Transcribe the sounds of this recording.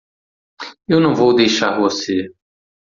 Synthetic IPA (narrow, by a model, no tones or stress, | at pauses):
ewnɐ̃w̃vowd̪ejʃaɾvose